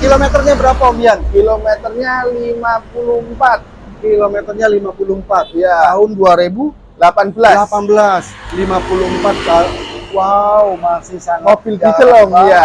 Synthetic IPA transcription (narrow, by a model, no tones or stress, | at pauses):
kilomet̪ərɲabəɾapaomiankilomet̪ərɲalimapuluhmpat̪̚ | kilomet̪ərɲalimapulumpat̪̚jaaɦʊnduaɾebu | lapanbəlalapanbəlas | limapulʊhmpat̪̚kawaumasisaŋobɪld̪it͡ʃəlɔŋja